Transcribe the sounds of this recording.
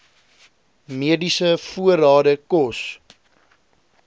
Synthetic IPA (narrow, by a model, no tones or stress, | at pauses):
miədisəfuəɾɑːdəkɔs